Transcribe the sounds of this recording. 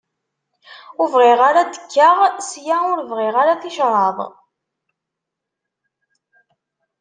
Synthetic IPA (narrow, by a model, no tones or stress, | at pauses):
ʊvʁɪʁaɾad̪ə̥kːaʁsjaʊɾvʁɪʁaɾaθɪʃɾˤɑðˤ